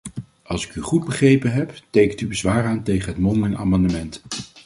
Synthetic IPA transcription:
ɑlˠsɪ̥kyχud̚bəχrejpənɦɛptejkəntybəzʋaːɹaːntejχənɦətmɔndəna̰ːmɑndəmɛnt

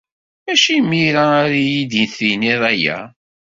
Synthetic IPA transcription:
mæʃijmːiɾaɾijid̪inθiniðˤæjæ̰

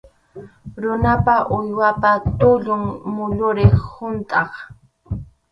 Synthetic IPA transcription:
ɾʊnapaʔʊjwapat̪ʊʎʊŋmʊʎʊɾɪhʊnt̪ʼɑχ

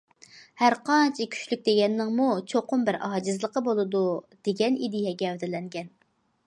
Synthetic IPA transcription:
hæɾqɑnt͡ʃʰikʲʰy̥ʃlyk̚ʲd̪eɡʲɛnːɪŋmut͡ʃʰoqʰʊmbɪɾɑːd͡ʒɨzlˠəqəbolˠɨd̪ud̪̥eɡʲɛnid̪ijɛɡʲɛwd̪ɪlɛŋɡʲɛn

